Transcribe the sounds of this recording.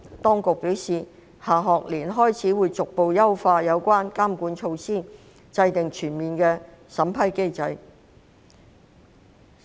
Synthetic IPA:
t̪ɔː˥ŋkʊ˨k̚pi˨˥wsiː˨˩ | haː˨˩ɦɔː˨k̚liː˨˩nɦɔː˥jt͡sʰiː˨˥wuː˨˧jt͡sʊ˨k̚po˨˧wjɐ˥wfaː˧jɐ˨˧wkʷaː˥nkaː˥mkuː˨˥nt͡ʃʰo˧wsiː˥˩ | t͡sɐ˧jt̪ɪ˨ŋt͡ʃʰyː˨˩nmiː˨˩nkɛː˧ | sɐ˨˥mpʰɐ˥jke˥jt͡sɐ˧j

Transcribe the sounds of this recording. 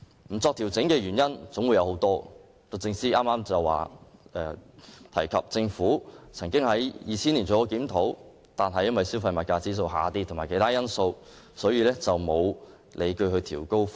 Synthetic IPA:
m̩˨˩t͡sɔː˧k̚t̪ʰiː˨˩wt͡sɪ˨˥ŋkɛː˧ɥyː˨˩njɐ˥nt͡sʊ˨˥ŋwu˨˧jɐ˨˧who˨˧˥wt̪ɔː˥ | t̪o˧t͡sɪ˧ŋsiː˥ʔaː˥maː˥mt͡sɐ˨wa̰ː˨ʔɛː˨˧t̪ʰɐ̰˨˩jkʰɐ˨p̚t͡sɪ˧ŋfuː˨˥t͡sʰɐ˨˩ŋkɪ˥ŋhɐ˨˥jjiː˨˧t͡sʰiː˥nli˨˩t͡sʰɔː˨˩ɔ˧˩kiː˨˥mt̪ʰo˨˥w | t̪aː˨nɦɐ˨jɐ˥nwɐ˨˩jsiː˥wfɐ˧jmɐ˨t̚kaː˧t͡siː˥s̬o˧wɦaː˨˧t̪iː˥tʰʊ˨˩ŋmaː˨˩jkʰe˨˥jt̪ʰaː˥jɐ˥nso˧w | sɔː˨˥jiː˧lɛː˥t͡sɐ˨wmo˨˧w | lʔe˨˧jkɵ˧hɵ˧ɥt̪ʰiː˨˩wko˥w

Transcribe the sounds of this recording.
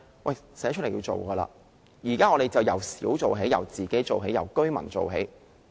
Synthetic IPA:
wɐ˨jsɛː˨˥t͡ʃ̚ʰljiː˧wt͡so̰˨wkɐː˧la̰ː˧ | jiː˨˩kaː˥ŋɔː˧ɾe˨jt͡sɐ˨wjɐ˨˩wsiː˨˥wt͡so˨wɦe˨˥jɐ̰˨˩wt͡siː˨ke˨˥jt͡so˨wɦe˨˥jɐ˨wkɵ˥ɥmɐ̰˨˩nt͡so̰˨wɦḛ˨˥j

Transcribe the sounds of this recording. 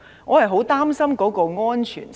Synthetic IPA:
ŋɔː˨˧hɐ˨jɦo˨˥wt̪aː˥msɐ˥mkɔː˨˥kɔː˧ŋɔː˥nt͡ʃʰy̰ː˨˩n

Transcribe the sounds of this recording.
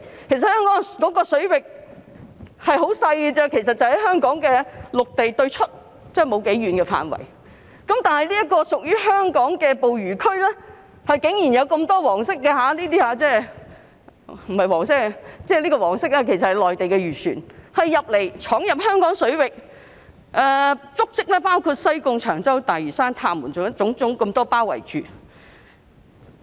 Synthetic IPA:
kʰe˨˩js̬ɐ˨t̚hœː˥ŋkɔː˨˥ŋkɔː˨˥kɔː˧sɵ˨˥ɥwɪ˨k̚ | hɐ˨jɦo˨˥wsɐ˧jt͡sɛː˧kʰe˨˩js̬ɐ˨t̚t͡sɐ˨whɐ˨˩jɦœː˥ŋkɔː˨˥ŋkɛː˧lʊ˨k̚t̪e˨jt̪ɵ˧ɥt͡ʃʰɵ˥t̚ | t͡sɛː˥˩mo˨˧wke˨˥jɥyː˨˧nkɛ˧fa̰ː˨nwɐ̰˨˩j | kɐ˨˥mt̪aː˨nhɐ˨jliː˥jɐ˥t̚kːɔː˧sʊ˨k̚jyː˥ɦœː˥ŋkɔː˨˥ŋkɛː˧po˨wɥyː˨˩kʰɵ˥ɥlɛː˥ | hɐ˨jkɪ˨˥ŋjiː˨˩njɐ˨˧wkɐ˧mt̪ɔː˥wɔː˨˩ŋsɪ˥k̚ːɛː˧ɦaː˨˧˥liː˥t̪iː˥haː˧t͡sɛː˥˩ | m̩˨˩hɐ˨jwɔː˨˩ŋs̬ɪ˥kːt͡sɛː˥liː˥kɔː˧wɔː˨˩ŋsɪ˥k̚aː˧kʰe˨˩js̬ɐ˨hɐ˨jlɔː˨jt̪e˨jkɛ˧ɥyː˨˩sy̰ː˨˩nhɐ˨jːɐ˨p̚le˨˩jt͡ʃʰɔː˨˥ŋjɐ˨p̚hœː˥ŋkɔː˨˥ŋsɵ˨˥ɥwɪ˨k̚ | ʔɛː˨˧t͡sʊ˥k̚t͡sɪ˥k̚lɛː˥paː˥wkʰuː˧t̚sɐ˥jkʊ˧ŋt͡ʃʰœː˨˩ŋt͡sɐ˥wt̪aː˨jɥyː˨˩saː˥nt̪ʰaː˧mːuː˨˩nt͡sʊ˨ŋjɐ˥t͡sʊ˨˥ŋt͡sʊ˨˥ŋkɐ˧mt̪ɔː˥paː˥wɐ̰˨˩jt͡ʃyː˨

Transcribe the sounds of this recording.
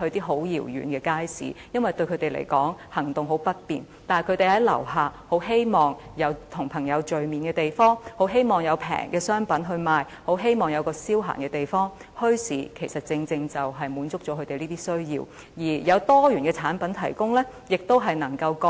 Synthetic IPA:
hɵ˧ɥt̪iː˥ɦo˨˥wjiː˨˩wjy̰˨˧nkɛː˧kaː˥jsḭː˨˥jɐ˥nwɐ˨˩jt̪ɵ˧ɥkʰɵ˨˧˥t̪e˨jlḛ˨˩jkɔː˨˥ŋhɐ˨˩ŋt̪ʊ˨ŋɦo˨˥wpɐ˥t̚pḭː˨n | t̪aː˨kʰɵ˨˧˥t̪e˨jhɐ˨˥jlɐ̰˨˩wɦaː˨˩ho˨˥wɦe˥jmɔː˨ŋjɐ˨˧wt̪ʰʊ˨˩ŋpʰɐ˨˩ŋjɐ˨˧wt͡ʃɵ˨ɥmiː˨˩nkɛː˧t̪e˨jfɔː˥ŋho˨˥wɦe˥jmɔː˨ŋjɐ˨˧wpʰɛ̰ː˨˩ŋkɛː˧sœː˥ŋpɐ˨˥nɦɵ˧ɥmaː˨j | ho˨˥wɦe˥jmɔː˨˩ŋjɐ˨˧wkɔː˧siː˥wɦa̰ː˨˩ŋkɛː˧t̪e˨˩jfɔː˥ŋ | hɵ˥ɥsḭː˨˩kʰe˨˩jsɐ˨t̚t͡sɪ˧ŋt͡sɪ˧ŋt͡sɐ˨wɦɐ˨jmuː˨˥nt͡sʊ˥k̚t͡ʃɔː˨˥kʰɵ˨˧t̪e˨jliː˥t̪iː˥sɵ˥ɥjḭː˧w | jiː˨˩jɐ˨˧wt̪ɔː˥jyː˨˩nkɛː˧t͡sʰaː˨˥npɐ˨˥nt̪ʰɐ̰˨˩jkʊ˥ŋlɛː˥jɪ˨k̚t̪o˥wɦɐ˨jnɐ˨˩ŋkɐ˧wkɔ˧

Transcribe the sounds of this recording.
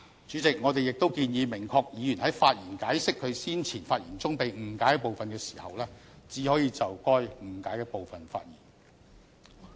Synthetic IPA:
t͡ʃyː˨˥t͡sɪ˨k̚ŋɔː˨˧t̪e˨jɪ˨k̚t̪o˥wkiː˧njiː˨˧mɪ˨˩ŋkʰɔː˧k̚jiː˨˧jy˨˩nhɐ˨˥jfaː˧t̚jiː˨˩nkaː˨˥jsɪ˥kʰːɵ˨˧ɥsiː˥nt͡sʰiː˨˩nfaː˧t̚jḭː˨˩nt͡sʊ˥ŋpe˨jm̩˨˩kaː˨˥jpo˨wfɐ˨nkɛː˧si̥ː˨˩hɐ̰˨wlɛː˥ | t͡siː˨˥hɔː˨˥jiː˧t͡sɐ˨wkɔː˥j̩˨˩kaː˨˥jkɛː˧po˨wfɐ˨nfa̰ː˧t̚jḭː˨˩n

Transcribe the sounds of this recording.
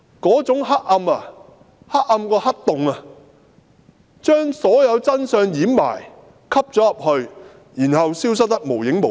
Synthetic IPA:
kɔː˨˥t͡sʊ˨˥ŋɦɐ˥k̚ʔɐ˧mɐ˧ | hɐ˥k̚ːɐ˧mkɔː˧hɐ˥t̚t̪ʊ˨ŋɐ˧ | t͡ʃœː˥ŋsɔː˨˥jɐ˨˧wt͡sɐ˥nsœː˧ŋjiː˨˥mːa̰ː˨˩j | kʰɐ˥p̚t͡sɔː˨˥jɐ˨p̚hɵ˧ɥ | jiː˨˩nhɐ˨wsiː˥ws̬ɐ˥t̚t̪ɐ˥k̚mo˨˩wjɪ˨˥ŋmo˨

